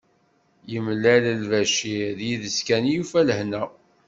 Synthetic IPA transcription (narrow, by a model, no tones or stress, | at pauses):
jəmlːæləlvæʃiðjiðəskænjufæləhnæ